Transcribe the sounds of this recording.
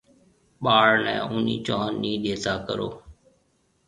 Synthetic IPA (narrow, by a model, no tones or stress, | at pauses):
ɓaːɽnɛ̰̃ːʔʊːnḭːt͡ʃoːnːĩːɗ̪eːt̪aːkə̰ɾoː